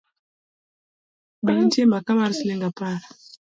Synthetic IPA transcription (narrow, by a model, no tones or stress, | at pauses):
baŋtjemakabaɾisileŋɡapaɾa